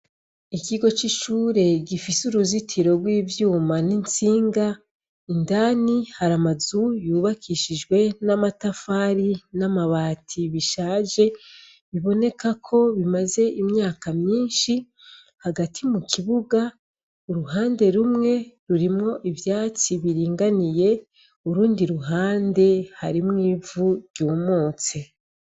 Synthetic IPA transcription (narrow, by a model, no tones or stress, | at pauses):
ikiɡo̞t͡ʃiʃuːɾe̞ɡifisuɾuzitʰiɾo̞ɡwiːvjuːmanint͡siːŋɡa | indaːnihaɾamazujuːβakʰiʃiʒɡwe̞namatafaɾinamaβaːtʰiβiʃaːʒe̞ | βiβo̞ne̞kakʰo̞βimaze̞ʔimɲaːkamɲiːnʃi | haɡatʰimukiβuɡa | uɾuɦaːnde̞ɾumŋe̞ɾuɾimŋo̞ʔivjaːt͡siβiɾiːŋɡanije̞ | uɾuːndiɾuɦaːnde̞haɾimŋiːvuɾɟuːmoːt͡se